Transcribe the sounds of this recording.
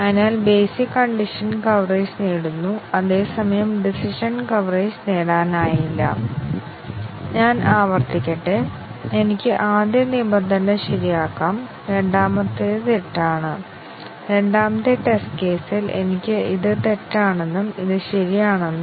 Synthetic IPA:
ɐnaːlbe̞ːsikːɐɳɖiʂɐnkɐʋreːsneːɽunːuɐðe̞ːsɐmɐjɐmɖisiʂɐnkɐʋreːsneːɽaːnaːjilːɐ̰ | ɲaːnaːʋɐrt̪ikʲːɐʈːe | e̞nikʲːɨʔaːd̪jɐnibɐnd̪ʱɐnɐɕɐɾijaːkːaːm | ɾe̞ɳɖaːmɐt̪ːet̪eʈːaːɳɨ | ɾe̞ɳɖaːmɐt̪ːeʈe̞sʈke̞ːsilʔe̞̰nikʲːɨiðɨt̪e̞ʈːaːɳenːumiðɨɕɐɾijaːɳenːum

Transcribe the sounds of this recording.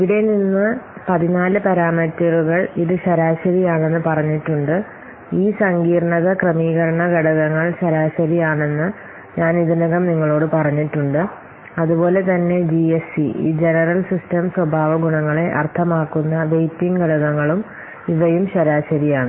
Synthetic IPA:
iʋiɽe̞ninːɨpɐðinaːlɨpɐɾaːmɐtːɐɾuɣɐɭiðɨɕɐɾaːɕɐɾijaːɳe̞nːɨpɐrɐɲːiʈːuɳɖɨ | iːsɐŋɡiːɾɐɳɐðɐkrɐmiːɣɐɾɐɳɐɡɐɽɐɣɐŋːɐɭɕɐɾaːɕɐɾijaːɳe̞nːɨ | ɲaːniðunɐɣɐmniŋːɐɭo̞ːɽɨpɐrɐɲːiʈːuɳɖɨ | ɐðubo̞ːle̞t̪ɐnːe̞d͡ʑiesiḭːd͡ʑe̞nɐrɐlsistɐmswɐbʱaːʋɐɡuɳɐŋːɐɭe̞ʔɐ̰rt̪ʰɐmaːkːunːɐʋejtːiŋɡɐɽɐɣɐŋːɐɭum | iʋɐjumɕɐɾaːɕɐɾijaːɳɨ

